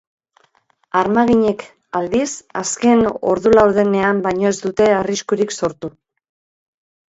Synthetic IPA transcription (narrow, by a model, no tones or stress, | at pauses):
aɾmaɣiɲe̞k | ald̪isaske̞no̞̰ɾðulawðe̞ne̞ambajɲo̞ezd̪ut̪e̞ariskuɾikso̞ɾt̪u